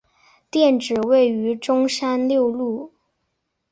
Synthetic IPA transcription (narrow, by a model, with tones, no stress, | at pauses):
t̪jɛ˥˩nʈ͡ʂɻ̩˨˩we˥˩ɪy˧˥ʈ͡ʂʊ˥ŋʂa˥nljo˥˧ʊlu˥˩